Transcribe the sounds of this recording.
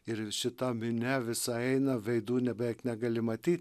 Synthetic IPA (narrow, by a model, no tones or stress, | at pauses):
ɪɾʃʲɪt̪ɐmʲɪnʲɛʋʲɪsɐɛɪnɐʋʲɛɪd̪uːnʲɛbʲɛɪknʲɛɡɐlʲɪmɐt̪ʲiːt̪̚ʲ